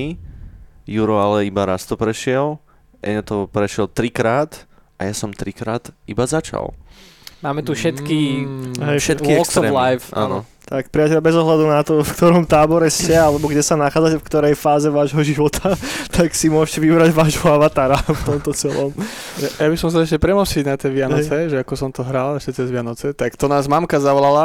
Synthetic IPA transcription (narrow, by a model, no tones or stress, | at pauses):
i | juɾɔalɛibaɾast̪ɔpɾɛʃɪɛl | ʔɛ̰ɲɛt̪ɔpɾɛʃɪɛlt̪ɾikɾaːt̪ | ʔajasɔmt̪ɾikɾaːt̪ibazat͡ʃa̰l | maːmɛt̪ufʃɛt̪kiɦɛjʃɛt̪kiɛɔkst̪ɛlajfʔa̰nɔ | t̪akpɾiacɛʎabɛzɔɦlad̪unat̪ɔfkt̪ɔɾɔmt̪aːbɔɾɛscɛalɛbɔɡɟɛsanaxaːd͡zacɛfkt̪ɔɾɛjfaːzɛʋaːʒɦɔʒiʋɔt̪ʰat̪aksimʊɔʃcɛʋibɾaɟʋaːʒɦɔaʋat̪aɾaft̪ɔmt̪ɔt͡sɛlɔm | jajabisɔms̬aɛʃcɛpɾɛmɔsinat̪ɛːʋɪanɔt͡sɛʒɛakɔsɔmt̪ɔɦɾalɛʃcɛt͡sɛzʋɪanɔt͡sɛt̪akt̪ɔnaːzmamkazaʋɔlala